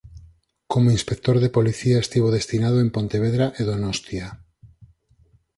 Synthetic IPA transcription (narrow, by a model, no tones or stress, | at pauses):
komoinspek̚t̪oɾðepoliθiaest̪iβoðest̪inaðoempont̪eβ̞eðɾaʔeðonost̪ja